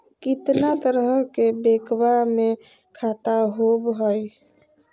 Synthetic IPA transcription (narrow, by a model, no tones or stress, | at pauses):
kɪt̪nat̪əɾɦəkebekwame | kʰat̪aɦobɦəj